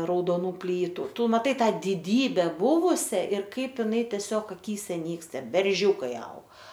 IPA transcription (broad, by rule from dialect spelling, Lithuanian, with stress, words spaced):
rɐʊdoːˈnuː ˈpʲlʲiːtʊ ˈtʊ mɐˈtɐɪ ˈtɑː dʲɪˈdʲiːbʲɛ ˈbʊʋʊsʲɛ ɪr ˈkɐɪp ɪˈnɐɪ tʲɛˈsʲoːk ɐˈkʲiːsʲɛ ˈnʲiːkstɐ bʲɛrʲˈʒʲuːkɐɪ ɐʊk